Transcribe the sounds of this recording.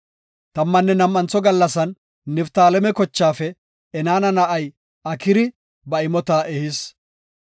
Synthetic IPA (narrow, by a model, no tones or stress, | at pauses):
t̪ɐmːɐnːɛnɐmʔɐnt͡sːɔɡɐlːɐsɐnː | ɪft̪aːlɛmɛkɔt͡ʃːaːfɛ | ɛnaːnɐnɐʔɐj | ɐkɪɾɪ | bɐɪmɔt̪aːʔɛhɪs